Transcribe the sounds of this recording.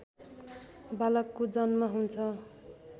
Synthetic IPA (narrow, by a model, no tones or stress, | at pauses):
balʌkːod͡zʌnmaɦunt͡sʰʌ